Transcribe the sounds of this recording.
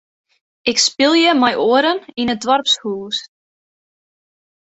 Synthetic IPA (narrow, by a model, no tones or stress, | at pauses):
ɪkspɪlˠjəmajʔoːəɾəninədwarpshuːlˠs